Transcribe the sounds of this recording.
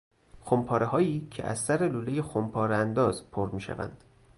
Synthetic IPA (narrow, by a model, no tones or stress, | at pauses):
xompʰɒːɾeɦɒːiːcʰḛʔæ̰zsæɾeluːlejexompʰɒːɾeænd̪ɒːzpʰoɾmiːʃæ̰væ̰nd̪̥